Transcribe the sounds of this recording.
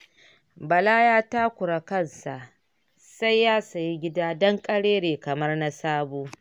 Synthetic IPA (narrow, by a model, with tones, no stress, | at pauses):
bɐ˨laː˦jaː˦ta˦kʷʊ˨ɾa˨kɐ˦˨nsa˨ʔ | sa˦jːaː˦sɐ˨ji˦ɡʲɪ˦daː˦dɔ˦ŋkʼɐ˦ɽeː˦ɽeː˨kɐ˨mɐ˦rna˦saː˦boː˦